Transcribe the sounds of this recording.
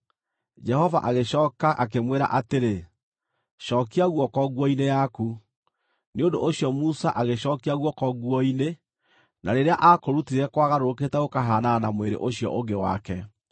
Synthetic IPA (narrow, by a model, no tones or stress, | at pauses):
d͡ʒɛhɔva̰ʔaɣeɕɔːkaʔak̬emweɾa̰ʔateɾe | ʃɔːkiaɣwɔkɔɣwɔinejaku | neondoʔoɕiɔmusaʔaɣeɕɔːkiaɣwɔkɔɣwɔine | naɾeɾeaʔakoɾutiɾɛkwaːɣaɾok̬etɛɣokaɦaːnanamweɾḛʔoɕjɔ̰ʔoɡewa̰kɛ